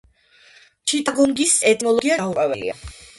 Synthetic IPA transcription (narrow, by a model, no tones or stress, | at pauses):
t͡ʃʰit̪ʼaɡɔŋɡisɛt̪ʰnɔlˠɔɡiaaupʼavɛlḭa̰